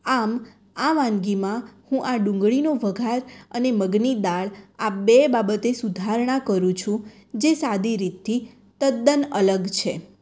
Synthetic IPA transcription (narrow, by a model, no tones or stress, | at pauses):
am | aʋãŋɡimãhũʔaɖũŋɡɭinoʋəɡʱaɾəneməɡnid̪aɭabebabət̪esud̪ʱaɾɳakəɾũt͡ʃʰũ | d͡ʒesad̪iɾit̪ʰːi | t̪əd̪ːənələɡt͡ʃʰe